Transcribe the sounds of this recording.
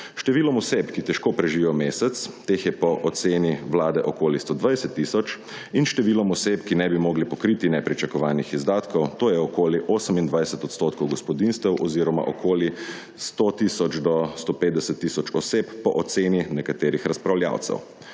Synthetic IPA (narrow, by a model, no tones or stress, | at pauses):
ʃt̪ɛʋiːlɔmɔsepkit̪ɛʃkoːpɾɛʒiʋijɔmeːsɛt̪st̪eːxjɛpɔʔɔt̪seːniwlaːd̪ɛʔɔkoːlist̪oːd̪ʋajsɛt̪ːiːsɔt͡ʃ | inʃt̪ɛʋiːlɔmɔseːpkinɛbimɔːɡlipɔkɾiːt̪inɛpɾit͡ʃakɔʋaːnixizd̪aːt̪kɔwt̪oːjɛɔkoːliʔoːsəmind̪ʋajsɛt̪ɔt̪st̪oːt̪kɔwɡɔspɔd̪inst̪ʋɛwʔɔziːɾɔma̰ʔɔkʰoːli | st̪ot̪isɔt͡ʃd̪ɔst̪opeːt̪̚d̪ɛsɛt̪ːiːsɔt͡ʃɔseːpːɔʔɔt̪seːninɛkat̪eːɾixɾaspɾawlja̰ːw̪sɛ̰w